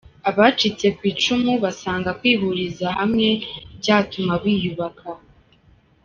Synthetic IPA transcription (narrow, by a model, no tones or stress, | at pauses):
aβat͡ʃit͡se̞kwiːt͡ʃumuβasaːŋɡakwiːβuɾizahamŋe̞bɟaːtumaβiːjuβakʰa